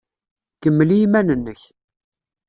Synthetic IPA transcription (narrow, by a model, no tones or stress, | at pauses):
kəmːlijimænənːəç